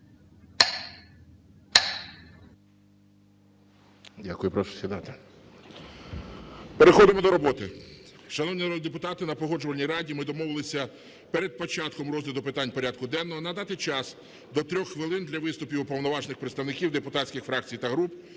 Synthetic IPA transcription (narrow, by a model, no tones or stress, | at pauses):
dʲakʊjʊpɾɔʃʊ̥sʲʋʲid̪ɑt̪e | peɾexɔd̪ɪmɔd̪ɔɾɔbɔt̪ɪʃɐnɔwnʲinɐɾɔd̪d̪epʊt̪ɑt̪ɪnɐpɔɦɔd͡ʒʊʋɐlʲnʲijɾɑdʲimɪd̪ɔmɔʋɪlˠɪsʲɐ | peɾed̪̚pɔt͡ʃɑt̪kɔmrɔzlʲɪd̪ɔpɪt̪ɑnʲpɔɾʲɑd̪̚kʊd̪ɛnːɔɦɔnɐd̪ɑt̪ɪt͡ʃɑs | d̪ɔt̪ɾʲɔxxːʋɪlˠɪnd̪lʲɐʋɪst̪ʊpʲiwpɔwnɔʋɑʒnɪxpɾet̪st̪ɐwnɪkʲiwd̪epʊt̪ɑtʲsʲkʲɪxfɾɑk̚t͡sʲijt̪ɐɦɾup